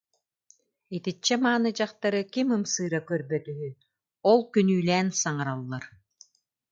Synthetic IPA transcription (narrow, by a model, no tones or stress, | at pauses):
it̪it͡ɕːɛmaːnɯd͡ʑaχt̪aɾɯkimɯmsɯːɾakœɾbœt̪yɦy | ɔlˠkynyːlɛːnsaŋaɾalˠːaɾ